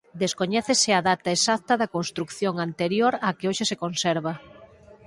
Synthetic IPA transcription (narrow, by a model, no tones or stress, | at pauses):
d̪eskoɲɛθesɪaðat̪ɐesakt̪ɐðɐkonst̪ɾukθjoŋant̪eɾjoɾakeoʃɪsekonsɛɾβɐ